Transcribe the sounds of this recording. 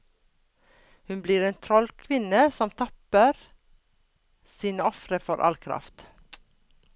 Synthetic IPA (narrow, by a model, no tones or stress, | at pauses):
hʉnbliːɾeːnt̪ʰɾɔlkʰʋɪnəsɔmt̪ʰɑpəɾ | siːnəɔfɾəfɔɾʔɑ̰lkʰɾɑ̰ft̪